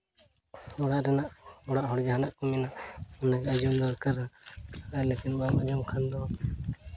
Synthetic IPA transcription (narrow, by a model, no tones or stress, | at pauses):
ɔɽaʔɾɛnaʔɔɽaʔɦɔɽd͡ʒaɦanaʔkɔminaʔɔnaɡɛad͡ʒɔmd̪ɔɾkəɾaalekinbamad͡ʒɔmkʰand̪ɔa